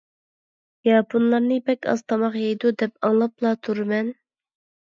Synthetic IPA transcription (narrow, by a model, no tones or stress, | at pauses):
jɑpʰunlˠɑɾnɨbɛkʲɑ̰z̥t̪ʰɑmɑqjejd̪ud̪ɛpɑŋlˠɑplˠɑt̪ʰuɾɨmɛn